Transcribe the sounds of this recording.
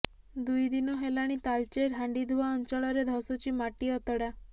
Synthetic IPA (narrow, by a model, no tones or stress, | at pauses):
d̪ujd̪inɔɦelaɽ̃it̪alt͡ʃeɾɦaɳɖid̪ʱuaɔnt͡ʃɔɭɔɾed̪ʱɔsot͡ʃimaʈiɔt̪ɔɽa